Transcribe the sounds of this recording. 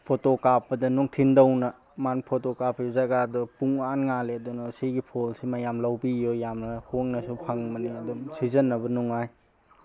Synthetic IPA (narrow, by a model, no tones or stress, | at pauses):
pʰotokapːɐdɐnuŋtʰindɐwnɐ | manpʰotokapʰːjozɐɡadɐpuŋanŋaleɐdunɐsiɡipʰolsimajamlɐwbijojamnɐhoŋnɐsupʰaŋmɐniɐdumsizɐnːɐbɐnuŋaj